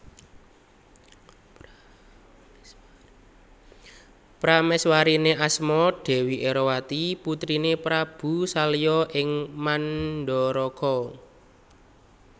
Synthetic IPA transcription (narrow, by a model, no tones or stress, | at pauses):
pɾamɛswaɾineʔasmɔɖ̥ɛ̤wiʔeɾɔwat̪iput̪ɾinepɾab̥ṳsalijɔʔɪŋmanɖɔɾɔkʰɔ